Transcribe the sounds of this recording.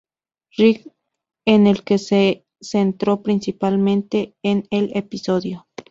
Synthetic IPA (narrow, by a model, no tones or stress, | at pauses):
rik | enelkese | sent̪ɾopɾinsipalmẽnt̪eːnelepisoðjo